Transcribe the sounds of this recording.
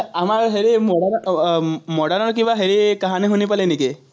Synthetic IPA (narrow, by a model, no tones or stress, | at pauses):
amaɹɦeɾimɔɽan | mɔɽaɾnɔɾk̬ibaɦeɾikaɦaneɦunipaleniki